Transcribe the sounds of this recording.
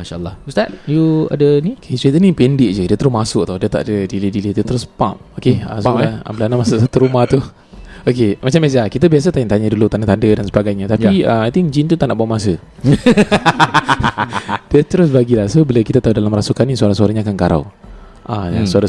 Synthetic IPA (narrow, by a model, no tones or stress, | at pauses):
maʃalːˠɔust̪at̚jua̰dəniokʰesuit̪ənipendɪʔ̚d͡ʒədiət̪əɾʊsmasʊʔ̚t̪awdiət̪a̰ʔdədilidilidiət̪əɾʊspa̰mokeasolaa̰bəlanamasʊʔsat̪uɾumaht̪u | okemat͡ʃamezakit̪əbias̬ət̪aɪnt̪aɲədulut̪andət̪andədansəbaɡajɲat̪ajpiəmajt̪ɪŋd͡ʒint̪ut̪aʔnaʔbawaʔmasə | d̥iət̪əɾʊsbaɡilahsobələkit̪at̪aɦudalamɾasukanisaɾasuaɾahɲaːkankaɾa̰w | ʔajasuaɾa